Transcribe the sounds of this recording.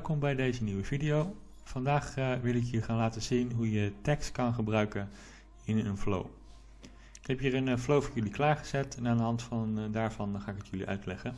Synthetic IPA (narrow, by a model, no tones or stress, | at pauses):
lˠkɔmbɛjdejzəniwəvidijow | vɑndaːχʋɪlˠɪk̬jəχaːnlaːtəzinɦujətɛkstkɑnχəbrœɥkən | ɪnənflo̰w | ɪ̥kɦɛpjiːrənflowvɑnjɵliklaːɹχəz̥ɛtɛnaːndəɦɑntfɑndaːɹv̥ɑnχaːɪkətjɵlḭʔœ̰ɥtlɛχən